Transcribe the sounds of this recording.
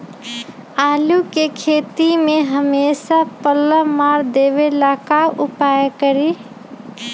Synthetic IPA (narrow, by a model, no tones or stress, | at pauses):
aːlukekʰeːt̪imẽɦəmesapəlːəmaːɾd̪eʋelakaʊpajkəɾi